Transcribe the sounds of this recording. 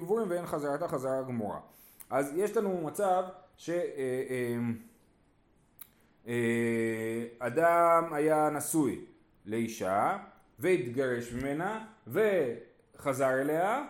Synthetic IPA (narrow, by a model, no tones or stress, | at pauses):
ɡvuʁimveenχazaʁat̪aχazaʁaɡmuʁa̰ | ʔazje̞ʃlanumat͡savʃe̞ | m | e | adamajanasuj | le̞iʃa | veit̪ɡaʁe̞ʃmime̞nave̞ | χazaʁele̞a